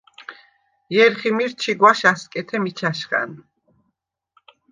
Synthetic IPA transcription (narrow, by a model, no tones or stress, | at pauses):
jɛɾχimiɾt͡ʃʰiɡwaʃaskʼɛt̪ʰɛmit͡ʃʰaʃχa̰n